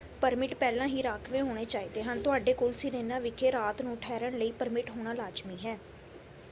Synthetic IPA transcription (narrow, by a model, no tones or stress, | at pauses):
pəɾmɪʈpɛːlãːɦiːɾaːkʰʋẽːɦoːɽ̃eːt͡ʃaːiːd̪eːɦənt̪ʊaːɖeːkoːlsɪneːnãːʋɪkʰeːɾaːt̪nũːʈʰɛːɾəɳləiːpəɾmɪʈɦoːɽ̃aːlaːd͡ʒmiːɦɛː